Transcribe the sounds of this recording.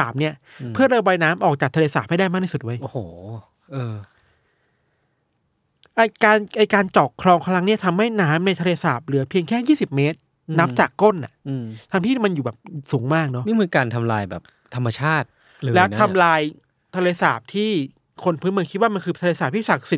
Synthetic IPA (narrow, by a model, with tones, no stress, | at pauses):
aː˨˩p̚ni˦˥ɐ | ɯ˥˩ɐɾaː˧bɔː˧jnaː˦˥mʔɔː˨˩k̚t͡ɕaː˨˩kt̪ʰːeː˧saː˨˩p̚ha˥˩jda˥˩jmaː˥˩t̪ʰi˥˩su˨˩t̪̚wə˦jʔo˧˩hoː˩˦ | ʔɤː˧ | ʔa˧jkaː˧nʔa˧˩jkaː˧nt͡ɕɔː˨˩k̚kʰɾɔː˧ŋkʰa˧˥la˦˥ŋni˥ɐt̪ʰa˧mha˥˩jnaː˦˥mna˧jt̪ʰa˧leː˧saː˨˩p̚lɯ˩˦pʰi˧əŋkʰɛː˥˩jiː˥˩si˨˩p̚meː˦˥t̪̚ | na˦˥p̚t͡ɕaː˨˩kːo˥˩nʔa˨˩ʔt̪ʰa˧ŋt̪ʰiː˥˩ma˧njuː˨˩bɛː˨˩p̚suː˩˦ŋmaː˥˩k̚nɔ˦˥i˥˩mɯ˧kaː˧nt̪ʰa˧mlaː˧jbɛ̰ː˨˩p̚ | t̪ʰa˧mːa˧t͡ɕʰaː˥˩t̪̚ | lɯː˧lɛ˦˥wn˦t̪ʰa˧mlaː˧j | t̪ʰa˧leː˧saː˨˩p̚t̪ʰiː˥˩ | kʰo˧npʰɯː˧˦˥nm˧ŋki˦˥t̪̚waː˥˩ma˧nkʰɯː˧t̪ʰa˧leː˧saː˨˩p̚t̪ʰiː˥˩sa˨˩k̚si˨˩